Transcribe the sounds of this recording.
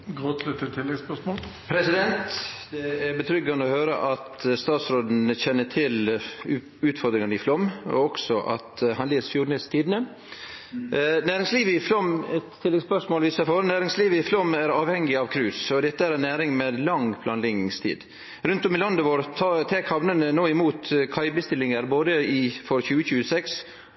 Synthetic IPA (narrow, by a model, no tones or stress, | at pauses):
ɡɾoːt̪lɪt̪ət̪ʰːɪlːɛɡspœʂmoːlpʰɾɛsɪd̪ɛnt̪d̪ɛæɾbət̪ʰɾʏɡːɑnəɔhøːɾə̰ʔɑt̪st̪ɑːt̪sɾoːd̪n̩əçɛnːəʈʰɪl | ʉːt̪fɔɾd̪ɾɪŋɑnəɪflɔmɔ̰ɔksɔʔɑ̰t̪hɑnleːsfjuːɖɳɪst̪ʰiːd̪nə | næːɾɪŋsliːʋəɪflɔmɛt̪ʰːɪlːɛɡspœʂmoːlʋiːsɑfɔɾnæːɾɪŋsliːʋəɪflɔmæɾɑːʋhɛŋːɪɑʋkʰɾʉːsɔd̪ɛt̪ːəæɾɛnːæːɾɪŋmeːd̪lɑŋpʰlɑːnlɪɡnɪŋst̪ʰḭːd̪ | ɾʉnt̪ɔmɪlɑnd̪əʋoːɾʰt̪ʰeːkhɑʋnənənoːɪmuːt̪kʰɑɪbəst̪ɪlɪŋəɾboːd̪əɪfɔɾçʉːəçʉːəsɛks